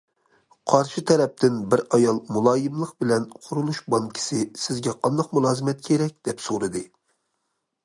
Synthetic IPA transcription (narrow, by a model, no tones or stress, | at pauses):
qʰɑɾʃɨt̪ʰɛɾɛp̚t̪ʰɪnbɪɾɑjɑlˠmulˠɑːjɪmlˠəqbɪlɛnqʰʊɾulˠuʃbɑŋkʲʰi̥sɪsɪzɡʲɛqʰɑnd̪ɑqmulˠɑːzɨmɛt̪̚kʲʰeɾɛk̚ʲd̪̥ɛpsoɾɨd̪ɨ